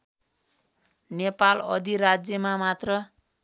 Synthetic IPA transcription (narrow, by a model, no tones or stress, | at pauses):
nepalʌ̰d̪iɾad͡zjʌmamat̪rʌ